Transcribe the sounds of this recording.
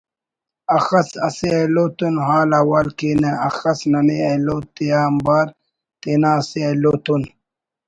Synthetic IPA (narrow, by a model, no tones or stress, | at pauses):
ɐxɐsɐseeloːt̪unɦaːlɐwalkiːneɐxɐsnɐneeloːt̪ijaːmbaːɾ | t̪eːnaːseeloːt̪un